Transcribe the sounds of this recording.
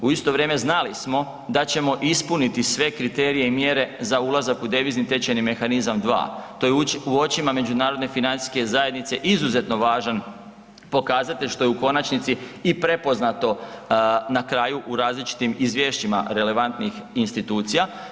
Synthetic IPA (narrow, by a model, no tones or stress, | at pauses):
uist̪o̞ʋɾje̞ːme̞znalismo̞ | d̪at͡ɕe̞mo̞ʔispunit̪isʋe̞kɾit̪e̞ːɾije̞imje̞ɾe̞zaulˠazakud̪e̞ʋiːznit̪e̞t͡ɕenime̞xanizamd̪ʋa̰ːt̪ojeuo̞t͡ɕimame̞d͡ʑunaːɾo̞d̪ne̞finansi̥ske̞zaje̞d̪nit̪se̞ʔizuze̞t̪no̞ʋaːʒan | po̞kaːzat̪eʎʃt̪o̞jeuko̞nat͡ʃnit̪siipɾe̞po̞znat̪o̞ | nakɾaːjuʔuɾaːzlit͡ʃi̥t̪imizʋje̞ːʃt͡ɕima̰ɾe̞le̞ʋant̪nixinst̪it̪uːt̪sija